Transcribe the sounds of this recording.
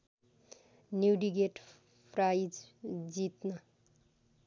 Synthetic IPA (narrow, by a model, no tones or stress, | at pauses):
njuɖiɡeʈ | pʰrajd͡zd͡zit̪nʌ